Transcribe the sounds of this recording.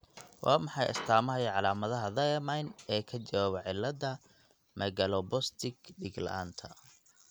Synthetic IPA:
wʔɑːmɑħɑjɐ̰st̪ʰaːmɐɦɐjɐʕɑlaːmɐðɐɦɐðɐmɐjnɛːkʰɐt͡ʃɐwaːβɐʕɪlːɐd̪ɐ | mɐɣɐlɔbɔst̪ʰɪɡɖɪɡlɐ̰ʔa̰ːnt̪ʰɐ

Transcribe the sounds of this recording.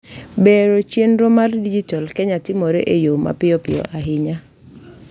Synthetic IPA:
beɾot͡ʃjenɾɔmardid͡ʒitɔlkɛɲatɪmoɾeʔejoma̰pɪjɔpɪjɔ̰ʔaɦɪɲa

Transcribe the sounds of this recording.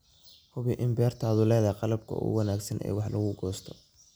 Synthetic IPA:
hʊβɪʔɪmbɛːrt̪ʰaːðʊlɛːðɐjqɑlɐb̚kʰɐ̰ʊ̰wɑnaːɡsɐnʔɛ̰ːwɑħlʔɐɣʊɡɔːst̪ʰɔ̥

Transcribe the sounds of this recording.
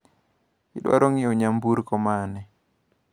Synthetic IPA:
ɪɗwa̰ɾoŋɪoɲambuɾkɔmanɛ

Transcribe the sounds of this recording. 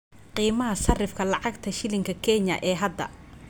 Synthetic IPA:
qiːmɐɦɐsɐrɪfkʰɐlɑʕɑɡt̪ʰɐʃɪlɪŋkʰɐkʰɛɲɐ̰ʔɛːɦɐd̪ːɐ̰

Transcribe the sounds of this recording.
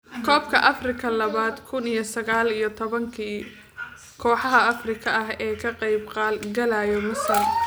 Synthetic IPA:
kʰɔːbkʰɐʔɐfrɪkʰɐlɐβaːd̪kʰʊnijɞsɐɣaːlijɞt̪ʰɔβɐŋkʰiː | kʰɔːħɑɦɐɐfrɪkʰɐʔɐɦɛːkʰɐqɑjbqɑːlɡɐlaːjɔmɐsɐl

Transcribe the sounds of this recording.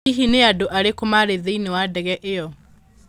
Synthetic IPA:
iɦineadoʔaɾekomaɾeðeinewadɛɣɛʔejɔ

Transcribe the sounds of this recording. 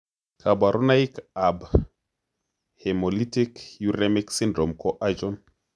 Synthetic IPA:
kʰabaɾʔɔnaikab | hɛmɔlitikjuɾɛmiksindɾɔmkɔʔad͡ʒɔn

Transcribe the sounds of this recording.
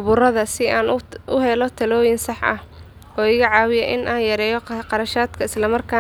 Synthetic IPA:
ʊβʊrɐðɐsɪaːnʔʊɦɛlɔt̪ʰɐlɔːjɪnsɑħɐ̰h | ʔɔːɪɣɐʕɑːwɪjɐʔɪnʔaːnjɐɾɛːjɔqɑɾɐʃaːd̪kʰɐɪslɐmɐrkʰaː

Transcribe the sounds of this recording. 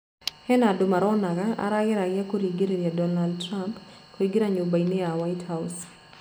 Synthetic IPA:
hɛnadʊmaɾɔnaɣaa̰ɾaɣɪɾaɣjakoɾiɡeɾeɾjadɔnaldtɾamp | koiɡeɾaɲobaineawaɪthaws

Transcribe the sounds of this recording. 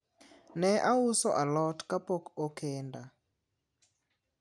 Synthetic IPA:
nɛʔausɔʔalɔtkapokokenda

